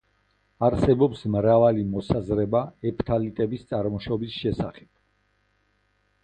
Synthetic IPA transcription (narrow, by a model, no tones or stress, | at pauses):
aɾsɛbɔpsmɾavalimɔsazɾɛbaɛpʰt̪ʰalit̪ʼɛbist̪sʼaɾmɔʃɔbisʃɛsaχɛb̚